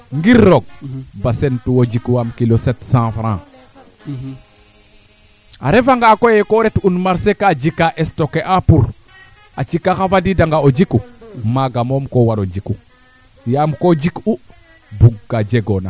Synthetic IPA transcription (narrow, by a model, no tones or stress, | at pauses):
ŋɡiɾːoɡ̚basentuwod͡ʒikuwamkilosɛtsãfɾã | a̰ɾefaŋɡakojekoɾetunmaɾsekad͡ʒikaʔestokeʔapuɾ | at͡ʃikaxafadidaŋɡaod͡ʒikumaɡamomkowaɾod͡ʒiku | jamkod͡ʒiku | buɡːad͡ʒeɡona